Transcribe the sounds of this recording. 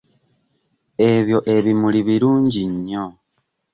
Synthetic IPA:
e̞βjo̞ʔe̞βimuliβiɾuːɲɟiɲːo̞

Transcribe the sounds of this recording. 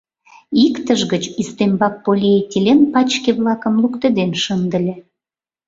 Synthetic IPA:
ikt̪əʒɣət͡ɕyst̪embɑk̚polʲiet̪ʲilʲenpɑt͡ɕkeβlɑkə̆mlukt̪ed̪enʃənd̪ə̆lʲe

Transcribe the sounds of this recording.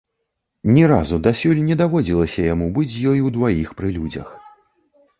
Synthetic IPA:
nʲɛɾazud̪asʲulʲnʲɛd̪avɔd͡zʲilˠɐsʲɐjamubɨt͡sʲjɔjud̪vajixpɾɨlʲud͡zʲɐ̰x

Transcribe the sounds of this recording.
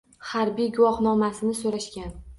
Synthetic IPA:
haɾbijɡʊwɒhnɒmasɪnɪsoɾaʃkʲan

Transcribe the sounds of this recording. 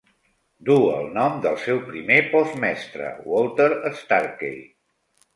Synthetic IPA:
d̪uəlˠnɔmd̪əlˠsɛwpɾimepɔzmɛst̪ɾə̰wɔlˠt̪əɾəst̪aɾkḛj

